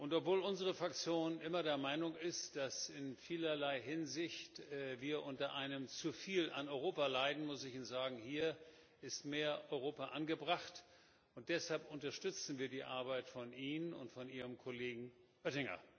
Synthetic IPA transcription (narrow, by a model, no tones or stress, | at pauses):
ʔʊntɔpv̥oːlʊnzəʁəfʁ̥ak̚t͡sjoːnʔɪmɐdeːɐmaɪnʊŋɪstd̥asɪnfiːlɐlaɪɦɪnzɪçtːviːɐʔʊntɐʔaɪnəmt͡sufiːlʔa̰nɔʏʁ̞oːpalaɪdn̩mʊsɪçiːnzaːɡŋ̩hiːɐ | ʔɪstmeːɐʔɔʏʁ̞oːpaʔanɡəbʁaχt | ʊnt̚d̥ɛshalpʊntɐʃtʏt͡sn̩viːɐdiːʔa̰ɐbaɪtfɔnʔiːnənʊ̰ntfɔnʔiːʁəmkʰoleːɡŋ̩ʔœtɪŋɐ̰